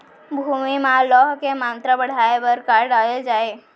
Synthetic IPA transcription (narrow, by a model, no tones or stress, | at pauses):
bʱumimãlɔɦkemant̪ɾəbəɽ̤ʱaebəɾkaɾɖaɭed͡ʒae